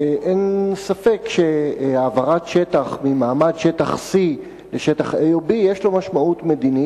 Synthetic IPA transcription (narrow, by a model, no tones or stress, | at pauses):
ʔensafekʃeavaʁatʃetaχmimaːmadʃetaχsi | leʃetaχejobijeʃlo̞maʃmautme̞d̪ini